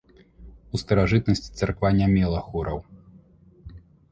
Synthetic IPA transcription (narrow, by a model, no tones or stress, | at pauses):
ust̪ɐɾaʐɨt̪nɐsʲt͡sʲi̥t̪sarkvanʲamʲɛlˠɐxuɾɐw